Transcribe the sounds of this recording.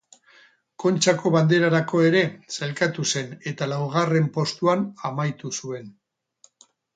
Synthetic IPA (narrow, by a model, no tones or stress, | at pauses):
ko̞nt͡ʃako̞βand̪eɾaɾako̞e̞ɾe̞selkat̪use̞ne̞t̪alawɣ̞are̞mpo̞st̪uanamajt̪usue̞n